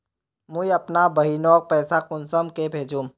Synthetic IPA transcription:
mʊiɐpnabɐɦinɔːk̚pɛːsakʊnsəmkebʱeːd͡ʒũːm

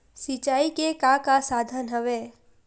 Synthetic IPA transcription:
sit͡ʃaikekãkasad̪ʱənɦəʋe

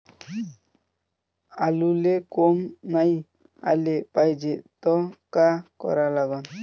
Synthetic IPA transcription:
alulekomnaj | a̰lepajd͡ʒeʔt̪ɔkakɔ̰ɾalaɡɔn

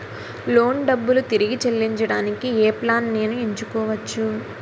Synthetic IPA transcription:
lo̞ːɳɖɐbːulut̪iɾiɡit͡ʃelːiɲt͡ʃɐɽaːnikieːplaːnneːnuiɲt͡ʃukɔːʋɐt͡ʃːu

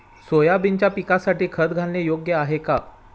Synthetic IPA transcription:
sojabint͡ɕjapikasaʈiːkʰəd̪̚ɡʱãnlejoɡjəaɦeka

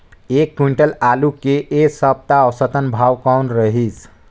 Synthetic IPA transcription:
ekːuɳʈəlalukeʔesəb̚t̪aɔsət̪ənbʱawkawnɾəɦisʰ

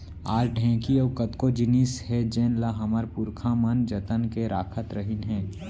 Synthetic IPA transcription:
aːɾɖʱɛ̃ːkiɔːkət̪kod͡ʒɪnishɛd͡ʒɛːnlaɦɐməɾpʊɾkʰãmənd͡ʒət̪ənkeɾaːkʰət̪ɾəɦinɦɛ̃ː

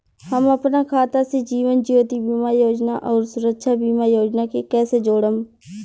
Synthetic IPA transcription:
həməpnaːkʰaːt̪ased͡ʒiːʋənd͡ʒioːt̪ibiːmaːjoːd͡ʒnaʔɔːɾsʊɾəkʃʰaːbiːmaːjoːd͡ʒnakekɛːsed͡ʒoːɽəm

